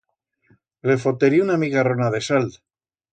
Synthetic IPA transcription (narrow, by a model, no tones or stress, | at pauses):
le̞fot̪eɾiunamiɣaronaðe̞sald̪